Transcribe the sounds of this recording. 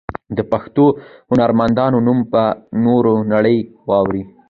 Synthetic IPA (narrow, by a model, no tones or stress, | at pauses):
d̪əpaxt̪ohʊnaɾmand̪ɑnonumpənoɾonaɽəjwɑwɾi